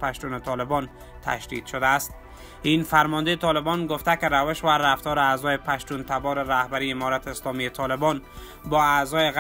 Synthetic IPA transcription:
paʃt̪unɪt̪ʰɒlɪbɒn | t̪ʰa̰ʃd̪ḭd̪̥ʃʊd̪aːst̪̚ | infaɾmɒnd̪eːt̪ʰɒlɪbɒnɡʊft̪akɪɾavɪʃvaɾaft̪ɔɾɪazɔjepʰaʃt̪unt̪ʰabɒɾɪɾahbaɾiɪmɒɾat̪ʰɪːslɒmiet̪ʰɒlɪbɔn | bɒazɒjɪɣ

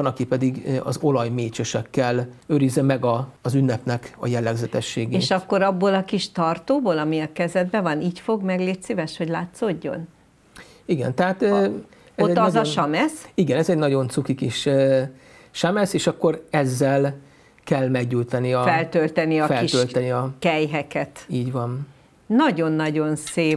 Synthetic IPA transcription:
ɒnɒkipɛd̪iɡɒ̰zo̞lɒjmeːt͡ʃøʃɛkːɛløɾizːɛmɛɡɒːzynːɛpnɛkɒjɛlːɛɡzɛt̪ɛʃːeːɡeeːʃɒkːo̞ɾɒbːolɒkiʃt̪ɒrt̪oːboːlɒmiɒkɛzɛd̪̚bɛvɒniːcfo̞ɡmɛɡleːt̪sivɛʃho̞ɟlaːt̪so̞ɟːo̞̰n | iɡɛ̰nt̪ɛɦaːt̪ | ɛotzɛːɒzɒʃɒmɛsiɡɛnɛzɛɟnɒɟo̞nt̪sukikiʃ | ʃamɛseːʃɒkːo̞ɾɛzːɛl | kɛlmɛɡɟult̪ɒniɒfɛlt̪ølt̪ɛniɒfɛliʃølt̪ɛniɒkɛjɦɛkɛt̪iːɟʋɒn | nɒɟo̞nːɒɟo̞nseː

